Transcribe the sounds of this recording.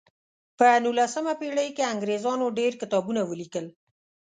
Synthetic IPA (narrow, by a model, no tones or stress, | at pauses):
pənulasəmapeɽəjkeaŋɡɾezɑnoɖeɾkɪt̪ɑbunawəlikəl